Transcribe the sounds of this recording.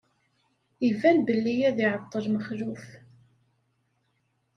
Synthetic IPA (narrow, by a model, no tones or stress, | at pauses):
ivænbəlːijæðiʕət̪ˤːəɾməχɾuf